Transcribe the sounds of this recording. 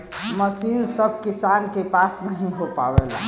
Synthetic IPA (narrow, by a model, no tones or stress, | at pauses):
məsiːnsəb̚ʱkisankepasmə̃ɦĩɦopa̰ʋela̰